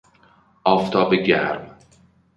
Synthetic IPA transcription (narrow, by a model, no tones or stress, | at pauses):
ʔɒːft̪ʰɒːbeɟæɾm